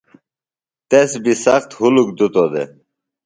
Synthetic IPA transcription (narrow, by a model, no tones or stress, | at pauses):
t̪esbisɐxt̪huluk̚d̪ut̪od̪ḛ